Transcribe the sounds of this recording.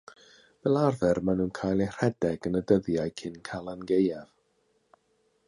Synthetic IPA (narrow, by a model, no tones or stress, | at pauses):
vɛlˠarðɛrmanuːnkʰaːjlˠer̥ɛdɛɡənədəðjajkʰɪnkʰalˠanɡejav̥